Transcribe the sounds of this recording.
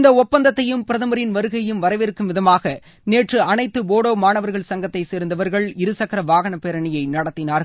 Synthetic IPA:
ɪnd̪ɐɔpːɐnd̪ɐt̪ːɐjɯmpɪɾɐðɐmɐɾɪnʋɐɾɯɣɐjɯmʋɐɾɐɪʋɪɾɯkːɯmʋɪðɐmaːɣɐ | neːʈrɯɐnɐɪt̪ːɯboːɽoːmaːnɐʋɐɾɣɐɭsɐŋɡɐt̪ːɐɪseːɾɯnd̪ɐʋɐɾɣɐɭɪɾɯsɐkɐɾɐʋaːɣɐɳɐpːeːɾɐɳɪjɐɪnɐɽɐt̪ːɪnaːɾɣ

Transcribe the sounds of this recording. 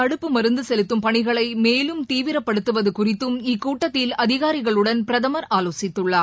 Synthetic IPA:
ɐɽɯpːɯmɐɾɯnd̪ɯsɛlɯt̪ːɯmpɐɳɪɣɐɭɐɪmeːlɯmt̪iːʋɪɾɐpːɐɽɯt̪ːɯʋɐðɯkʊrɪt̪ːɯmɪkːuːʈːɐt̪ːɪlɐðɪɣaːɾɪɣɐɭɯɽɐnpɪɾɐðɐmɐɾaːloːsɪt̪ːɯɭːɐ

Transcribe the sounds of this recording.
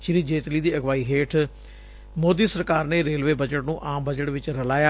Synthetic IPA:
t͡ʃɾiːd͡ʒeːt̪liːd̪iːəɡʋaːiːɦeːʈʰ | moːd̪iːsəɾkaːɾneːɾeːlʋeːbəd͡ʒəʈnũːʔaːmbəd͡ʒəʈʋɪt͡ʃɾəlaːjaː

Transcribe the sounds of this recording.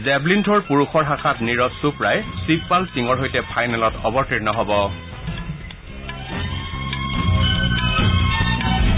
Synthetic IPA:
zɛblintʰɔɹpuɹuxɔɹɦaxʰatniɹɔsupɹajsipːalsiŋɔɹɦojtɛpʰajnɛlɔtɔbɔɹtɹiɹnɔɦɔbɔ

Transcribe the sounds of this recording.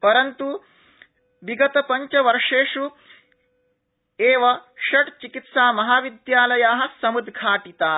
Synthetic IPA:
pɐɾɐnt̪u | ʋiɡɐt̪ɐpɐɲt͡ʃɐʋɐɾʂeːʂu | eːʋɐʃɐʈt͡ʃikit̪saːmɐɦaːʋid̪jaːlɐjaːɦɐ̆sɐmud̪ɡʱaːʈit̪aː

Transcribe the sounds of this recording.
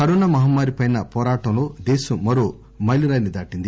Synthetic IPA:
kɐɾoːnamɐɦɐmːaːɾipɐjnɐpɔːɾaːʈɐ̃mloːd̪eːsɐmɐɾoː | mɐjliɾaːjnid̪aːʈind̪i

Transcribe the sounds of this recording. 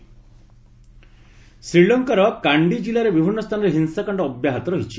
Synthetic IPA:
sɾiɭɔŋkɔɾɔkaɳɖid͡ʒilaɾebibʱinːɔst̪ʰanɔɾeɦinsakaɳɖɔːbjaɦat̪ɔɾɔɦit͡ʃʰi

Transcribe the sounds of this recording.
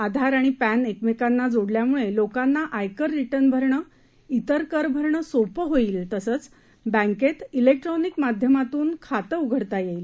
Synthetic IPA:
ad̪ʱaɾaɽ̃ipænekmekanːad͡zoɽljamuɭelokanːaʔajkəɾːiʈənbʱəɾɳə | it̪əɾkəɾbʱəɾɳəsopəɦoiːlt̪əsəːt͡s | bə̃ŋket̪ilek̚ʈɾonikmad̪ʱjəmat̪uːnkʰat̪əuɡʱəɽt̪ajeil

